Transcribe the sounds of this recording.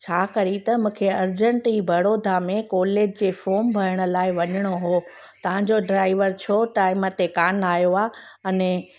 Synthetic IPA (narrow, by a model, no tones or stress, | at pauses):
t͡ɕʰaːkɐɾit̪ɐmũːkʰeɐɾd͡ʑə̃ɳʈiːbʱɐɽoːd̪ʱamẽkɔːleːd͡ʑd͡ʑeːfoːmbʱɐɾəɽ̃ə̆laːɪʋɐɲəɽ̃oɦoː | t̪ɐʋ̤ãɲd͡ʑoɖɾaːɪʋəɾt͡ɕʰoʈaːɪmət̪ekaːnaːjoaːɐnɛ̃